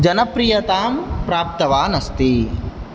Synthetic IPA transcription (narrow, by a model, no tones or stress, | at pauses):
d͡ʒɐnɐpɾijɐt̪aːmpɾaːp̚t̪ɐʋaːnɐst̪i